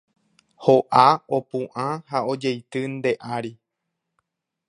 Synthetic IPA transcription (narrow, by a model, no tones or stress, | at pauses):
hoʔao̞pũʔãhaod͡ʒejt̪ɨnd̪e̞ʔaɾi